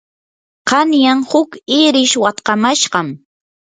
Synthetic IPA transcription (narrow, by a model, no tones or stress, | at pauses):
qɑnjaŋhʊkɪɾɪʃwat̪qɑmaʃɢɑm